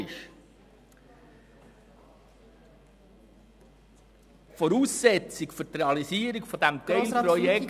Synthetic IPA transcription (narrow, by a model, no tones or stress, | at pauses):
ɪʃ | fɔɾuːsːɛt͡sikfʏɾt̪reɑlisiːəɾikfɔd̪æmt̪ɛɪlpɾɔjɛk